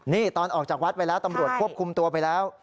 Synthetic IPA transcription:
niː˥˩t̪ɔː˧nʔɔː˨˩k̚t͡ɕaː˨˩k̚wa˦˥t̪̚pa˧jlɛː˦˥wt̪a˧mɾu˨˩ət̪̚kʰu˥˩əp̚kʰu˧mt̪u˧ɐpa˧jlɛː˦˥w

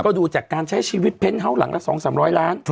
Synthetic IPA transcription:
kɔː˥˩duː˧t͡ɕaː˨˩kːaː˧nt͡ɕʰa˦˥jt͡ɕʰiː˧wi˦˥t̪̚pʰe˧˥nɦa˧˩wla̰˩˦ŋʔa̰˧˥sɔ̰ː˩˦ŋsaː˩˦mɾɔː˦˥jlaː˦˥n

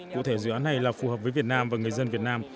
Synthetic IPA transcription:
kṵ˧˥t̪ʰe˧˩zɨ̰˧˨aː˨˦nːa˨˩jlaː˨˩fu˨˩həː˨˩p̚vəː˨˦jvi˨˩ət̚naː˧mvaː˨˩ŋɨ˨˩əjzə˧nvi˨˩ət̚naː˧m

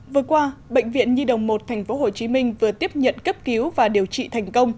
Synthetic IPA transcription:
vɨ˨˩əkwaː˧ɓə̰˧˨jŋ̟vḭ˧˨ənɲi˧ɗə̰˧˩wŋ͡mmo˨˩t̚t̪ʰɛ˨˩jŋ̟fo˨˦ɦo˨˩t͡ɕi˨˦mï˧ŋ̟vɨ˨˩ət̪i˦˥əp̚ɲə̰˧˨nkə˦˥p̚ki˨˦əwvaː˨˩ɗi˨˩əwt͡ɕḭ˧˨t̪ʰɛ˨˩jŋ̟kə˧wŋ͡m

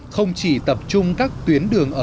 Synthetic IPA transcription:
xə˧wŋ͡mt͡ɕi˧˩t̪ə˨˩p̚t͡ɕʊ˧ŋ͡mkaː˦˥k̚t̪wi˨˦ənɗɨ˨˩əŋʔəː˧˩

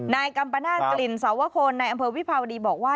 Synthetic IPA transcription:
naː˧jka˧mpa˧naː˥˩kli˨˩nsa˩˦wa˦˥kʰoː˧nːa˧jʔa˧mpʰɤː˧wi˦˥˩pʰaː˧wa˧diː˧bɔː˨˩k̚waː˥˩

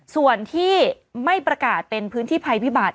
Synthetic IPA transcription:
su˨˩ənt̪ʰiː˥˩ | ma˥˩jpɾa˧kaː˨˩t̪̚pe˧npʰɯː˦˥nt̪ʰiː˥˩pʰa˧jpʰi˦˥baː˨˩t̪̚

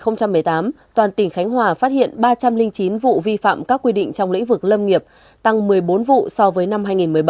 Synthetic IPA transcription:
xə˧wŋ͡mt͡ɕa˧mːɨ˨˩əjt̪aː˨˦m | t̪waː˨˩nt̪ï˧˩ŋ̟xa˨˦jŋ̟ɦwaː˨˩faː˦˥t̚hḭ˧˨ənɓaː˧t͡ɕa˧mlï˧ŋ̟t͡ɕi˨˦nvṵ˧˨vi˧fa̰ː˧˨mkaː˦˥kːwi˧ɗḭ̈˧˨ŋ̟t͡ɕɔ˧wŋ͡mlḭ˧˥ŋ̟vɨ˨˩k̚lə˧mŋi˨˩əp̚ | t̪a˧ŋmɨ˨˩əjɓo˨˦nvṵ˧˨sɔ˧vəː˨˦jna˧mɦaː˧jŋi˨˩nmɨ˨˩əjɓ

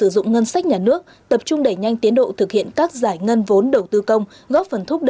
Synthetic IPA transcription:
ɨ˧˩zʊ̰˧˨ŋ͡mŋə˧nsa˦˥k̟̚ɲaː˨˩nɨ˦˥ək̚ | t̪ə˨˩p̚t͡ɕʊ˧ŋ͡mɗə˧˩jɲa˧jŋ̟t̪i˨˦ənɗo̰˧˨t̪ʰɨ˨˩k̚hḭ˧˨ənkaː˦˥k̚zaː˧˩jŋə˧nvo˨˦nɗə˨˩wt̪ɨ˧kə˧wŋ͡m | ɣɔ˦˥p̚fə˨˩nt̪ʰʊ˦˥k͡p̚ɗ

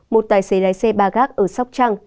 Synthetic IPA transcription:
mo˨˩t̚t̪aː˨˩jsə˨˦ɗaː˨˦jsɛ˧ɓaː˧˩ɣaː˦˥k̚ʔəː˧˩sa˦˥wk͡p̚t͡ɕaː˧ŋ

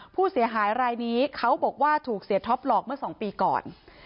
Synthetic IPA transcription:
pʰuː˥˩si˩˦ɐɦaː˩˦jɾaː˧jniː˦˥kʰa˦˥wbɔː˨˩k̚waː˥˩t̪ʰuː˨˩k̚si˨˩˦t̪ʰɔ˦˥p̚lɔː˨˩k̚mɯ˥˩ɐsɔː˩˦ŋpiː˧kɔ̰ː˨˩n

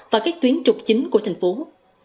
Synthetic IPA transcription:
vaː˨˩kaː˦˥k̚t̪wi˨˦ənt͡ɕʊ˨˩k͡p̚t͡ɕï˨˦ŋku˧˩ət̪ʰa˨˩ŋ̟fo˨˦

